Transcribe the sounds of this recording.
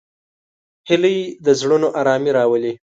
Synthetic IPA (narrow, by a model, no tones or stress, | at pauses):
hɪləjed̪əzɽunoʔaɾɑmiɾɑwəli